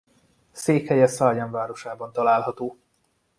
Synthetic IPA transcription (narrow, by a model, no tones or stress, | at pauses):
seːkhɛjɛsɒrjɛɱvaːɾo̞ʃaːbɒnt̪ɒlaːlɦɒt̪oː